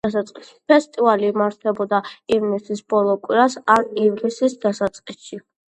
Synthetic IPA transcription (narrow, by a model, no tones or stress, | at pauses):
d̪asat̪sʼqʼisi̥pʰɛst̪ʼivalimaɾt̪ʰɛbɔd̪aivnisisbɔlˠɔkʼwiɾasanivlisisd̪asat̪sʼqʼisʃi